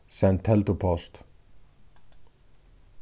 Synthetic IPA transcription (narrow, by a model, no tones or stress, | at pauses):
sɛnt̪ʰɛlt̪upʰɔst̪